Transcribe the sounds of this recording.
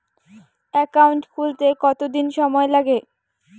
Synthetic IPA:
ɛkauɳʈkult̪ekɔt̪od̪inʃɔmɔelaɡe

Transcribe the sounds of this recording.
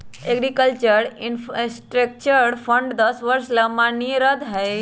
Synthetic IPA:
eɡɾikəlt͡ʃəɾɪnfsʈɾek̚t͡ʃəɾfʰə̃ɳɖd̪ɐsʋəɾslɐmaniɾəd̪ɦɛj

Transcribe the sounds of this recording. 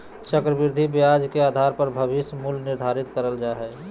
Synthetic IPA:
t͡ʃəkɾəbɪɾd̪ʱibjad͡ʒkeaːd̪ʱaɾpəɾbʱəbɪsmulnɪɾd̪ʱaɾɪt̪kəɾəld͡ʒaːɦɛ

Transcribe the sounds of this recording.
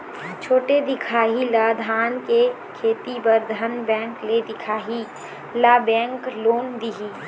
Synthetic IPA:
t͡ʃʰoːʈed̪ɪkʰaːɦilad̪ʱaːnke | kʰeːt̪ibəɾd̪ʱənbɛ̃ːŋkled̪ɪkʰaːɦi | laːbɛ̃ːŋkloːnd̪iɦiː

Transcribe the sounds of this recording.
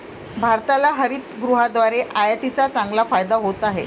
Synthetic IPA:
bʱaɾt̪alaɦəɾiːt̪ɡɾuɦad̪ʋaɾeʔajat̪it͡sat͡saŋɡlafajd̪aɦot̪aɦe

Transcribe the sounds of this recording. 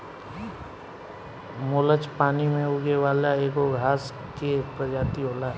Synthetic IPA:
moːlət͡ʃpaːnimẽʊɡeʋaːlaeːkoɡʱaːskepɾəd͡ʒaːt̪iɦoːlaː

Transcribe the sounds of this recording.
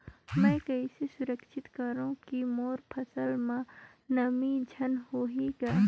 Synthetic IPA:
mɛ̃ːkɐisesʊɾəkʃʰɪt̪kɐɾũkimoːɾpʰɐsəlmã | nɐmid͡ʒʱɐnhoːɦiɡaː

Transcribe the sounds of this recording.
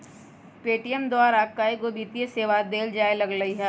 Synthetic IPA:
peːʈijəmd̪oaːɾaːk̚kaːeɡoːbiːt̪ijeseːʋad̪eːld͡ʒaːjlɐɡlɐiɦɛ

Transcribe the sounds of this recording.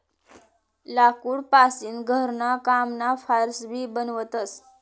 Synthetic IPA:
lakuːɽpasiːnɡʱəɾnakamnafaɾsbʱiːbənʋət̪əs

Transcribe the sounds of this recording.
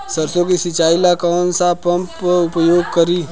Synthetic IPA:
sɐɾsõkisɪt͡ʃaːɪlakɔːnsapɐ̃mpʊpjoːɡ̚kəɾiː

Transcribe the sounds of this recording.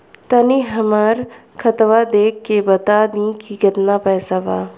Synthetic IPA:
t̪ɐniɦɐmaɾ | kʰɐt̪ʋad̪eːkːebɐt̪ad̪ĩkiɡət̪napɛːsaʋaː

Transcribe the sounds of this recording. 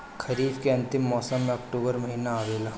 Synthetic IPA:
kʰɐɾiːb̪keɐ̃nt̪ɪmːɔːsəmːẽɐkʈuːbəɾmɐɦiːnaaːʋeːla

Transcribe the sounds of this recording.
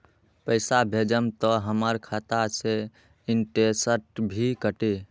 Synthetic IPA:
pəɪsabʱed͡ʒəmt̪ɔɦəməɾkʰat̪ase | inʈesəɾʈbʱikəʈe

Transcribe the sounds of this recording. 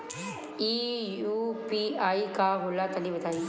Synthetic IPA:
ijuːpiaːikaɦulat̪ɐnĩbɐt̪aːi

